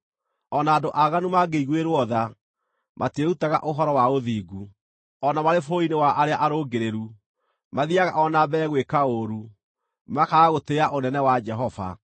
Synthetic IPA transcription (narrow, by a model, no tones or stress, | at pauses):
ɔnaːdoʔaɣanumaɡeiɣweɾwɔða | mʔateutaɣa̰ʔoɦɔɾɔwaoðiːɡu | ɔnamaɾefoinewaʔaɾeaʔaɾoːɡeɾeɾu | maðiaɣa̰ʔɔnabɛɛɣwekaoɾu | makaɣaɣoteaʔonɛnɛwad͡ʒɛɦɔva̰